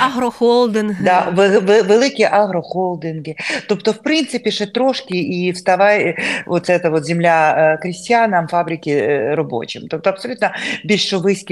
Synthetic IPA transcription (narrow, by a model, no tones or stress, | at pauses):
ɐɦɾɔxolˠd̪ɪnɦd̪ɑʋeʋeʋelˠɪkʲiʔaɦɾɔxolˠd̪ɪnɦɪt̪opt̪ɔwpɾɪnt̪sɪpʲiʂɛt̪ɾɔʃkʲiiwst̪ɐʋɑjʋɔt̪sɛt̪ɐʋɔt̪zʲɪmlʲakɾʲɪsʲtʲjanɐmfɑbɾʲɪkʲɪɾɔbo̰t͡ʃɪmt̪ɔp̚t̪ɔɐpsɔlʲut̪nɐbʲilʲɔʋɪsʲkʲ